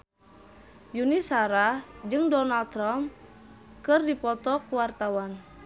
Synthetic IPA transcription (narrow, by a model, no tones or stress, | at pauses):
junisaɾad͡ʒɨŋdɔnald̪̚t̪ɾamp | kɨrdipɔt̪ɔkuwart̪awan